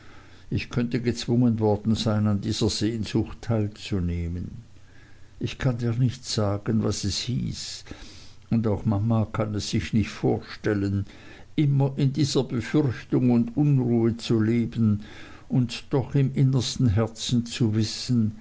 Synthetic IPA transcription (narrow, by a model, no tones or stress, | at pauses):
ɪçkʰœntəɡət͡sv̥ʊŋənvɔɐd̥n̩z̥aɪnandiːz̥ɐz̥eːnz̥ʊxtʰːaɪlt͡suneːmən | ʔɪçkʰandiːɐnɪçtz̥aːɡ̥ənvasɛshḭːs | ʊndaʊxmamakʰanɛsːɪçnɪçtfoːɐʃtɛlən | ʔɪmɐʔɪndiːz̥ɐb̥əfʏʁçtʊŋʊndʊnʁuːət͡suleːbən̩ | ʊntd̥ɔχɪmʔɪnəstn̩ɦɛɐt͡sn̩t͡suvɪsən̩